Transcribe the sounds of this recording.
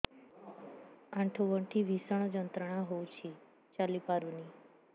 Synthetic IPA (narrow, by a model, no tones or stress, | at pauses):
ãɳʈʰoʋəɳʈʰiʋʱisəɳ̃od͡ʒənt̪ɾəɽ̃ãɦowt͡ʃʰi | t͡ʃalipaɾuni